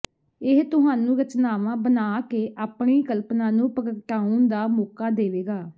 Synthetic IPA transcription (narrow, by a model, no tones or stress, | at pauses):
ɪɦt̪ʊɦaːnũːɾət͡ʃnaːʋãːbənaːkeːʔaːpɳiːkəlpnaːnũːpəkəkʈaːund̪aːmoːkaːd̪eːʋeːɡaː